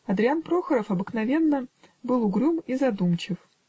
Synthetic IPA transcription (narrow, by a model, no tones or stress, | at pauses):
ɐd̪ɾʲɪanpɾo̞xəɾəfɐbɨknɐvʲe̞nːə | bɨlˠʊɡɾʲumizɐd̪umt͡ɕɪf